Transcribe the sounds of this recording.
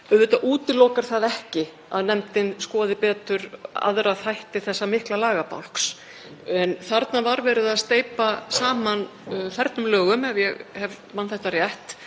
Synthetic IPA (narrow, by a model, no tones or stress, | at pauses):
œðvɪt̪aʔuːt̪ɪlɔwkaɾ̥θaðɛhcɪ | a̰ðnɛmt̪ɪnskɔːðɪpɛːt̪ʏɾa̰ðɾaðθajht̪ɪθɛsːamɪhklalaːɣapa̰wl̥ks | ɛnθaɾt̪navaɾvɛːɾɪðaðst̪eːjpasaːmanθɛɾt̪nʏmlœːɣʏmɛvjɛɣhɛv | manθɛjht̪arjɛht̪